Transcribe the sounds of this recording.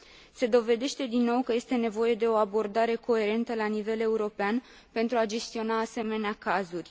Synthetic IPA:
se̞d̪o̞ve̞d̪e̞ʃt̪e̞d̪inːo̞wkəje̞st̪e̞ne̞vo̞je̞d̪e̞o̞abo̞rd̪aɾe̞ko̞e̞ɾe̞nt̪əlanive̞le̞uɾo̞pean | pe̞nt̪ɾuad͡ʒe̞st̪io̞naːse̞me̞neakazurʲ

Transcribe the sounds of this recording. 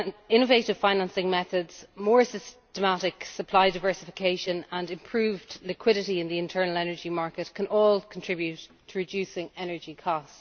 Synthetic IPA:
nɪ̃nəveɪɾɪv̥fãɪ̃nãnsɪ̃ŋmɛθədz̥mɔːɹsɪstəmaɾɪksəpʰl̥aɪdaɪvɜ˞sɪfɪkʰeɪʃə̃nə̃nɪ̃mpʰɹ̥ʉːvdlɪkʰw̥ɪɾɪɾiɪ̃nðiɪ̃ntʰɜ˞nəlɛnə˞d͡ʒimaɹkətkʰə̃nʔɔːlˠkʰə̃ntʰɹ̥ɪbjʉtʰəɹɪd͡ʒjʉːsɪ̃ŋɛnə˞d͡ʒikʰɔst

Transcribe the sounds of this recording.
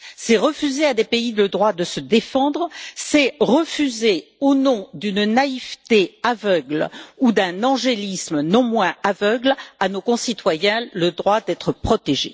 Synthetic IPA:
sɛʁəfyzead̪epeiləd̪ʁwad̪əsəd̪efɑ̃d̪ʁsɛʁəfyzeonɔ̃d̪ynnaivt̪eavœɡlud̪ɛ̃nɑ̃ʒelismnɔ̃mwɛ̃avœɡlanokɔ̃sit̪wajɛ̃ləd̪ʁwad̪ɛt̪χəpχɔt̪eʒḛ

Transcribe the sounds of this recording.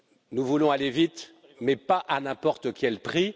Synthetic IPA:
nuvulɔ̃alevit̪ | mɛpaʔanɛ̃pɔʁt̪əkʲɛlpχi

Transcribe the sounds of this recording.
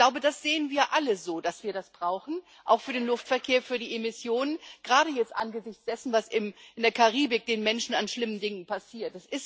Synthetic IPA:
l̥aʊbədasz̥eːənviːɐʔaləzoːd̥asv̥iːɐɾasb̥ʁaʊxn̩ | ʔa̰ʊxfyːɐɾeːnlʊftfɛɐkʰeːɐfyːɐdiːʔemɪsjoːnənɡ̥ʁaːɾəjɛt͡stʔa̰nɡəzɪçt͡sd̥ɛsn̩vasɪmʔɪndeːɐkʰaʁiːbɪk̚d̥eːnmɛnʃn̩anʃlɪməndɪŋənpʰasiːɐt̚d̥asʔɪs

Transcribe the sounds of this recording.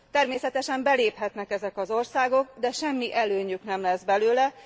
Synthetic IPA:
t̪ɛrmeːsɛt̪ɛʃɛmbɛleːphɛt̪nɛkɛzɛkɒzo̞rsaːɡo̞ɡ̚d̪ɛʃɛmːiʔɛløːɲyknɛmlɛzbɛløːlɛ

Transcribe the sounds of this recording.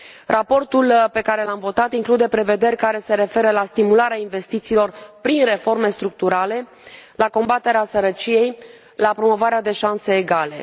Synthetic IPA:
rapo̞rt̪ulpe̞kaɾe̞lamvo̞t̪at̪iŋklud̪e̞pɾe̞ve̞d̪e̞rʲkaɾe̞se̞ɾe̞fe̞ɾəlast̪imulaɾeainve̞st̪it̪siːlo̞rpɾinre̞fo̞rme̞st̪ɾuk̚t̪uɾale̞ | lako̞mbat̪e̞ɾeasəɾət͡ʃije̞j | lapɾo̞mo̞vaɾead̪e̞ʃanse̞ːɡale̞̰

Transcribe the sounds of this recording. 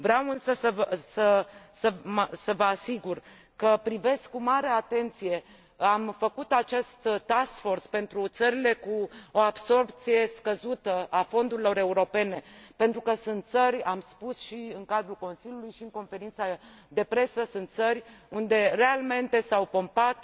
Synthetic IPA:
vɾeawɨnsəsəvsəsəməsəvəasiɡur | kəpɾive̞skkːumaɾe̞at̪e̞nt̪sije̞ | amfəkut̪at͡ʃe̞st̪t̪asfo̞rspe̞nt̪ɾut̪səɾile̞kuo̞abso̞rpt̪sije̞skəzut̪əʔafo̞nd̪uɾilo̞ɾe̞uɾo̞pe̞ne̞pe̞nt̪ɾukəsɨnt̪̚t̪sərʲamspusʃiɨŋkad̪ɾulko̞nsilʲjulujʃiɨŋko̞nfe̞ɾint̪sa | d̪e̞pɾe̞səsɨnt̪sərʲund̪e̞re̞alme̞nt̪e̞sawpo̞mpat̪

